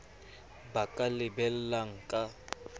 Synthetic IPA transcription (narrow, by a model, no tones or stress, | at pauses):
bakʼalɪbɛl̩laŋ̩kʼa